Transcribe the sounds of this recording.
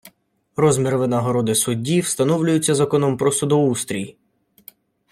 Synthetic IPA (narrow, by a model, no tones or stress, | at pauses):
ɾɔzmʲiɾʋɪnɐɦɔɾɔd̪ɪsʊdʲːiwst̪ɐnɔwlʲʊjʊt͡sʲːɐzɐkɔnɔmpɾɔsɔd̪ɔust̪ɾʲiji